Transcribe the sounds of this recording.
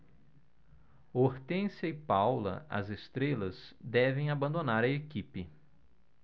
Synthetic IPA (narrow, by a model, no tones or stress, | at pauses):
oɾt̪ẽsɐɪpawlɐ̰ʔɐ̰zest̪ɾelɐzd̪ɛvẽj̃abɐ̃nd̪onaɾɐekipɪ